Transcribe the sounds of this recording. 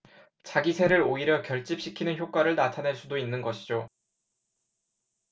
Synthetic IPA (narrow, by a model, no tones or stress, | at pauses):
t͡ɕaɡisʰe̞ɾɯɾoiɾjʌkjʌɭt͡ɕ͈ip̚ɕ͈ikʰinɯnçjok͈waɾɯɭnatʰane̞ɭs͈udoinːɯnɡʌɕʰid͡ʑo